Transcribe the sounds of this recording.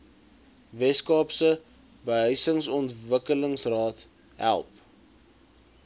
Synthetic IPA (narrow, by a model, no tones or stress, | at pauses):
vɛskɑːpsə | bəɦəɥsəŋsɔntvəkələŋsrɑːt | ɦæ̰lˠp